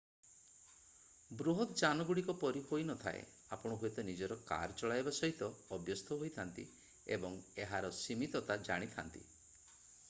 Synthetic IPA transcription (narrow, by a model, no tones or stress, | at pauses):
bɾuɦɔt̪d͡ʒanɔɡuɽikɔpɔɾihojnɔt̪ʰa̰ḛ | apɔɽ̃ɔɦojt̪ɔnid͡ʒɔɾɔka̰ɾt͡ʃɔɭajbasɔɦit̪ɔːbjɔst̪ʰɔɦojt̪ʰant̪ḭ | ebɔŋeɦaɾɔsimit̪ɔt̪ad͡ʒa̰ɽ̃it̪ʰant̪ḭ